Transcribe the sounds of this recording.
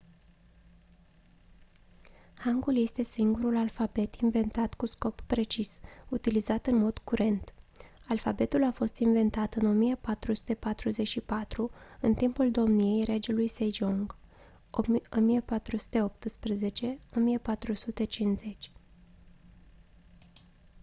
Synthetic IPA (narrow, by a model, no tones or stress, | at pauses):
haŋɡulje̞st̪e̞siŋɡuɾulalfabe̞t̪inve̞nt̪at̪kusko̞pːɾe̞t͡ʃisut̪ilizat̪ɨnmo̞d̪̥kuɾʔe̞nt̪ | alfabe̞t̪ulafo̞st̪inve̞nt̪at̪ɨno̞mijepat̪ɾusu̥t̪e̞pat̪ɾuze̞t͡ʃʃipat̪ɾuɨnt̪impuld̪o̞mnije̞jɾe̞d͡ʒelujsed͡ʒoŋɡ | o̞mijepat̪ɾusu̥t̪e̞o̞p̚t̪ɨspɾeze̞t͡ʃe̞o̞mijepat̪ɾusut̪e̞t͡ʃinze̞t͡ʃʲ